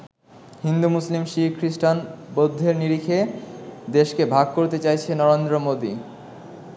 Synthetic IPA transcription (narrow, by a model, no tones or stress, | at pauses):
hind̪umuslimʃikɾiʃʈanbod̪ʱːeɾniɾikʰed̪eʃkebʱaɡ̚koɾt̪et͡ɕajt͡ɕʰenɔɾend̪ɾomod̪ḭ